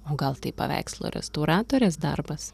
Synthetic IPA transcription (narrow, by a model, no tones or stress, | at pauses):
oːɡɐlˠt̪ɐɪpɐ̰ʋʲæ̰ɪkslˠo̰ːɾʲɛ̰st̪oʊɾɑːt̪oːɾʲeːsd̪ɐ̰ɾbɐs